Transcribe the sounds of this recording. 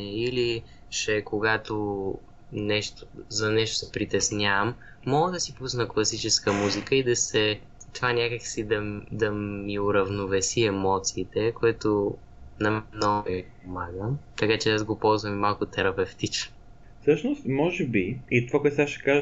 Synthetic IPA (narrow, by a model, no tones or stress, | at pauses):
ili | t͡ʃɛkoɡat̪o | nɛʃt̪ozɐnɛʃt̪o̥sɛpɾit̪ɛsnʲavəmː | ɔɡəd̪ɐsipusnəklˠɐsit͡ʃɛskəmuzikəid̪ɐsɛ | t̪ovanʲjakəksid̪ɐd̪ɐmiʊɾɐvnʊvɛsiɛmɔt̪siːt̪ɛkoɛt̪o | nɐmnɔipomaɡəmt̪ɐkat͡ʃɛazɡopɔlˠzvɐmimalˠkʊt̪ɛɾɐpɛft̪it͡ʃno | fsɤʃnʊst̪mɔʒɛbiit̪ovakwɛt̪saʃɛ̥kaʒ